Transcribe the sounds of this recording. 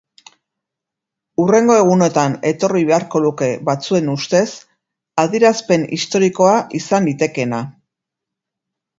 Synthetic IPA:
ure̞ŋɡo̞e̞ɣ̞une̞t̪ane̞t̪o̞riβ̞e̞aɾko̞ðuke̞βat͡sue̞nust̪e̞s | aðiɾaspe̞nḭst̪o̞ɾiko̞aʔisanlit̪e̞ke̞na

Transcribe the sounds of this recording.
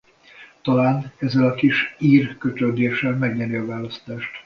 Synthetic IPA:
t̪ɒlaːnɛzːɛlɒkiʃiːrkøt̪ød̪eːʃːɛlmɛɡɲɛɾiɒvaːlɒst̪aːʃt̪

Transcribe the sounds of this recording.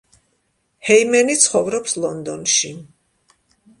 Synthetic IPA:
hɛimɛnit̪sʰχɔvɾɔpslˠɔnd̪ɔnʃi

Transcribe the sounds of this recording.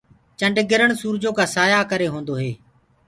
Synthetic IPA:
t͡ʃəɳɖɡɪɾəɳsuːɾd͡ʒoːkaːsaːjaːkəɾeːɦõːnd̪oːɦeː

